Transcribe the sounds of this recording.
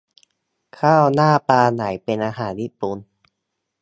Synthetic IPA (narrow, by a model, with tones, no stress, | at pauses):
kʰaː˥˩wnaː˥˩paː˧na˩˦jpe˧nʔaː˧ɦaː˩˦nji˦˥pu˧n